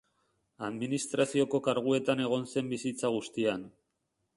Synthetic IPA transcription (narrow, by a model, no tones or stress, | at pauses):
aðminist̪ɾasio̞ko̞kaɾɣ̞ue̞t̪ane̞ɣ̞o̞nse̞mbisit͡saɣ̞ust̪ian